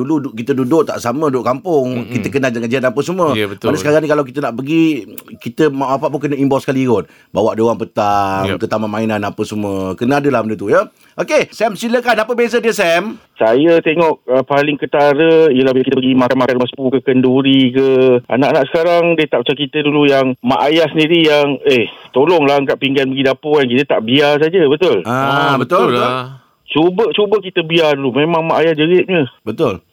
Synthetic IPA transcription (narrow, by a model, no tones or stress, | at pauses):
duluukit̪ədudʊʔt̪a̰ʔsamə̃dudʊʔkampʊŋkit̪əkənad͡ʒaŋad͡ʒianapəsəmuəət̪anəsəkaɾaŋnĩkalawk̬it̪ənaʔpəɡikit̪əmamapaʔpʊnkənəimbɔsəkaliɣʊn̚ | bawaʔdoɣaŋpət̪amk̪ət̪amamainanapəsəmuəkənəadəlahməndət̪̬ujə | ʔokesɛmsiləkanapəbezədiəsɛm | sajət̪eŋɔʔ̚əpalɪŋkət̪aɾəijəlahbkit̪əpəɡimakanmakanwaspukəkənduɾikəa̰naʔanaʔsə̥kaɾaŋdiət̪aʔpt͡ʃakit̪ədulujaŋma̰ʔajahsəndiɾijaŋet̪olɔŋlaŋkaʔpiŋɡanbaɡidapʊankit̪ət̪aʔbias̬ad͡ʒəbət̪ʊlabət̪ʊ | t͡ʃubət͡ʃubəkit̪əbiadulumemãŋmaʔajahd͡ʒəɡɪt̪̚ɲəbət̪ʊl